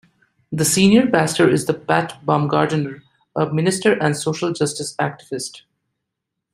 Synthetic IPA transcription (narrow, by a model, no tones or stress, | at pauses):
d̪əsĩːnjəɾpæsʈəɾɪzd̪əpætbɑ̃mɡaːɾɖnəɾ | ʌmɪnɪsʈəɾʔæ̃ɳsoːʃəld͡ʒʌsʈɪsæk̚ʈɪʋɪsʈ